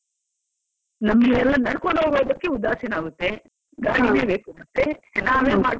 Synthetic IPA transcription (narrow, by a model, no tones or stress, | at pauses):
nɐmːɐlɛlːɐnɐɽkoɳoːboːd̪ɐkːeud̪aːsɐnaːɡut̪ːe | ɡaːɽineːbeːkumɐt̪ːenaːmeːmaː